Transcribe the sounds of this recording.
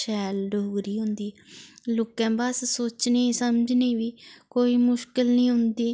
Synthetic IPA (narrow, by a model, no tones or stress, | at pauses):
ʃɛːlɖoɡɾiːɦʊ̃nd̪iːlʊkɛ̃ːbassoːt͡ʃneːsəmd͡ʒneːʋiːkoːiːmʊʃkɪlnĩːɦʊ̃nd̪iː